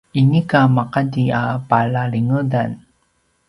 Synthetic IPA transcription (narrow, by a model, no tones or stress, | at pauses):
inikamaqadiapalaɭiŋədan